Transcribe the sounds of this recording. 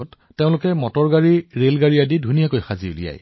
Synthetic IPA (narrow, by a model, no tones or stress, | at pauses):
tːeʊ̃lʊkɛmɔtɔɹɡaɹiɹelɡaɹiadidʱunijakojxaziṵlḭja̰j